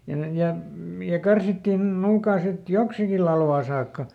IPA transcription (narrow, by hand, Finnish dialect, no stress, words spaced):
jɑ ne jɑ m jɑ kɑrsitːiˑn nuːkɑː sit joksiki lɑlʋɑː sɑːkːɑ